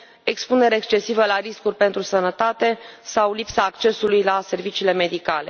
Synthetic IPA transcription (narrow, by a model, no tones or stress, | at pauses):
e̞kspune̞ɾeːkst͡ʃe̞sivəlaɾiskurʲpe̞nt̪ɾusənət̪at̪e̞sawlipsaːkt͡ʃe̞sulujlase̞rvit͡ʃiːle̞me̞d̪ikale̞̰